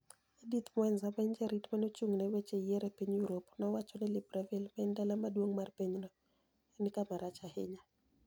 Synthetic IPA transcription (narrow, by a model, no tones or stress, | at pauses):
edit̪mwɛnzamaiɲd͡ʒɛɾitmanot͡ʃuŋnɛwet͡ʃejɛɾɛpiɲjuɾopnɔwat͡ʃɔnɛlɪbɾavilmaɪndalamadwoŋmarpeɲnɔ | enikamaɾat͡ʃahɪ̰ɲa